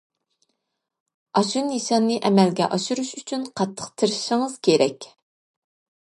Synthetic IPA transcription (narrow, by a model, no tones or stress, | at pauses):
ɑʃunːiʃɑnːɨʔɛmɛlɡʲɛ̰ʔɑʃuɾuʃyt͡ʃʰynqʰɑt̪ʰːə̥qt̪ʰɨɾʃɪŋɨz̥kʲʰeɾɛkʲ